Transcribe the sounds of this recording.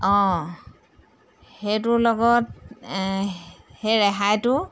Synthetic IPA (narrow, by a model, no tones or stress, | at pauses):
ɔ̃ | hejtʊlɔɡɔt | hejɹɛɦajtʊ